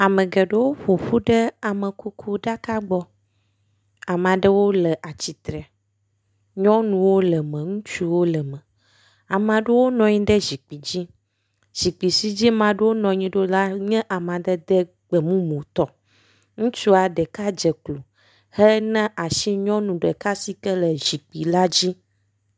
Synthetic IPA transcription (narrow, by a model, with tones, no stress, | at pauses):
a˨mə̃˨ɡɛ˨ɖe˦wo˦ɸo˨ɸu˦ɖɛ˦a˨mɛ̃˨ku˦kʰu˦ɖa˦ka˦ɡ͡bɔ˦ | a˨m˨ã˨ɖɛ˦wo˦lɛ˨ʔa˨t͡ɕi˨t̪ɾɛ˨ | ɲɔ̃˦nũ˨wo˦lɛ˨mɛ̃˨ŋũ˦t͡ʃu˦wo˦lɛ˨mɛ̃˨ | a˨mã˨ɖe˦wo˦nɔ̃˨ɲĩ˦ɖ̪ɛ˦zi˨k͡pi˨d͡ʑi˦ | z̥i˨k͡pi˨si˦d͡ʑi˦mã˨ɖe˦wo˦nɔ̃˨ɲĩ˦ɖo˦la˦ɲɛ̃˦ʔa˨mã˨d̪ɛ˦d̪ɛ˦ | ɡ͡bɛ˨mũ˦mõ˨t̪ɔ˦ | ŋũ˦t͡ʃu˦a˨ɖɛ˨ka˦d͡ʒɛ˨klu˨ | hɛ˦nɛ̃˦ʔa˨ʃi˦ɲɔ̃˦nũ˨ɖɛ˨ka˦si˦kɛ˦lɛ˨zi˨k͡pi˨la˦d͡ʑi˦